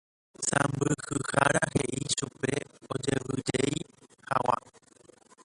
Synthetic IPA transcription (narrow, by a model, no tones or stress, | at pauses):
sãmbɨhɨhaɾaɦe̞ʔiʃupe̞od͡ʒe̞ʋɨd͡ʒejhawa̰